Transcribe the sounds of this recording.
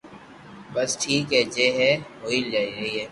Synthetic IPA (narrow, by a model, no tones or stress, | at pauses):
bɐsʈʰiːkɦɛd͡ʒeːɦɛɦoːild͡ʒaːiɾɐɦiɦɛː